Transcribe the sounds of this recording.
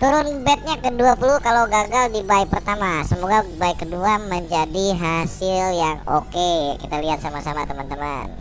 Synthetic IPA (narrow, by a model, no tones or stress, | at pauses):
t̪uɾʊnbɛt̪̚ɲakəduapulukaloɡaɡaldibaɪk̚pərt̪amasəmoɡabaikːəduaməɲd͡ʒadiɦasɪljaŋo̰kekit̪aliɦat̪̚samasamat̪əmant̪əma̰n